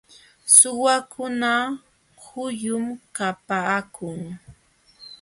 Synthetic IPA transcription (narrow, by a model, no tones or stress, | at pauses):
sʊwakʊna | hʊjʊmkapaːkʰʊŋ